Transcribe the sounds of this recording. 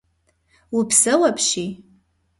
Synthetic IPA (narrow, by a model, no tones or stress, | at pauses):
wupʰsɨwapʰʃi